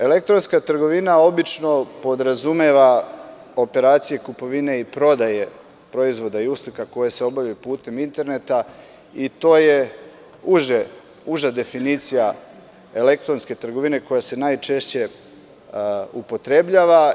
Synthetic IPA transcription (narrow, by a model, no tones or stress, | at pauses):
e̞le̞k̚t̪ɾo̞nskat̪r̩ɡo̞ʋinao̞bit͡ʃno̞po̞d̪ɾazumeʋa | o̞pe̞ɾaːt̪sije̞kupo̞ʋine̞ipɾo̞d̪aje̞ | pɾo̞izʋo̞d̪aiuslikako̞jese̞o̞bavʎajupuːt̪e̞mint̪e̞ɾne̞t̪a | it̪o̞ːje̞ | uʒe | uʒad̪e̞finit̪sija | e̞le̞k̚t̪ɾo̞nske̞t̪r̩ɡo̞ʋine̞ko̞jase̞najt͡ʃe̞ʃt͡ɕe̞ | upo̞t̪ɾe̞bʎaːʋa